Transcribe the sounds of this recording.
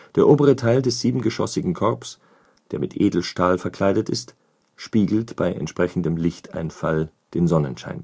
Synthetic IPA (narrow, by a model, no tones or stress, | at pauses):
d̥eːɐʔoːbəʁ̞ətʰaɪldɛsz̥iːbm̩ɡəʃɔ̰sɪɡŋ̩kʰɔɐps | d̥eːɐmɪtʔeːdl̩ʃtaːlfɛɐkʰl̥aɪɾətɪst | ʃpiːɡl̩tb̥aɪʔɛ̰ntʃpʁ̥ɛçn̩dəmlɪçta̰ɪnfal | d̥eːnzɔnənʃa̰ɪn